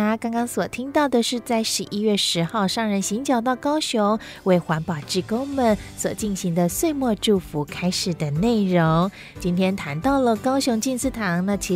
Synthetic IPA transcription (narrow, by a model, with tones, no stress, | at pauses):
a˥kɑ˥ŋkɑ˥ŋswɔ˨˩t̪ʰi˥ŋt̪ɑ˥˩ʊd̪ə˨ʂɻ̩˥˧t͡sa˥˩ɪʂɻ̩˧˥ʔi˧˥ɥɛ˥˩ʂɻ̩˧˥xɑ˥˧ʊʂɑ˥˧˩ŋɻə˧˥˩nɕi˧˥ŋt͡ɕjɑ˨˩ʊt̪̬ɑ˥˩ʊkɑ˥ʊɕjʊ˧˥ŋ | we˥˩ɪxwa˧˥npɑ˨˩ʊʈ͡ʂɻ̩˥˩ko˥ʊmə˨nswɔ˨˩t͡ɕi˥˩nɕi˧˥ŋd̪ə˧swe˥˧ɪmwɔ˥˧ʈ͡ʂu˥˩fu˧˥kʰa˥ɪʂɻ̩˨˩d̪ə˦ne˥˩ɪɻo˧˥ŋ | t͡ɕi˥nt̪ʰjɛ˥nt̪ʰa˧˦nt̪ɑ˥˩ʊlə˨kɑ˥ʊɕʊ˧˥ŋt͡ɕi˥˧nsɹ̩˥˧t̪ʰɑ˧˥ŋnə˧t͡ɕʰi˧˥